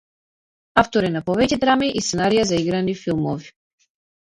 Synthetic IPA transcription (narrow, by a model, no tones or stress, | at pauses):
aft̪ɔɾɛnapɔvɛcɛd̪ɾamiʔist̪sɛnaɾijazaiɡɾanifilˠmɔvi